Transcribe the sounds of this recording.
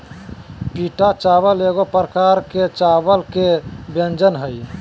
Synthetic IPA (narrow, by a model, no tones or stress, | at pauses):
piʈat͡ʃabəleɡopɾəkaɾket͡ʃabəlkebend͡ʒənɦəj